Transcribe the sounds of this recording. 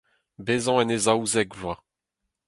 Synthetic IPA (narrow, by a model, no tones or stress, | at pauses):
bezɑ̃ɛnezawzɛɡʒwa